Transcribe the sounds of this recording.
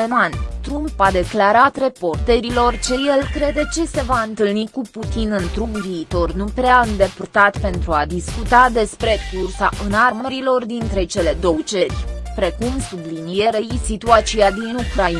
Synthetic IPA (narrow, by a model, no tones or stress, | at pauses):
nant̪ɾumpad̪e̞klaɾat̪re̞po̞rt̪eɾilo̞rt͡ʃeje̞lkɾe̞d̪e̞t͡ʃe̞se̞vaɨnt̪ɨlnikuput̪inɨnt̪ɾuɡviːt̪o̞rnupɾeaɨnd̪e̞purt̪at̪pe̞nt̪ɾuad̪iskut̪ad̪e̞spɾe̞kursaʔɨnarməɾilo̞rd̪int̪ɾe̞t͡ʃe̞le̞d̪o̞wt͡ʃe̞rʲpɾe̞kumsublinije̞ɾejisit̪uat̪sijad̪inukɾai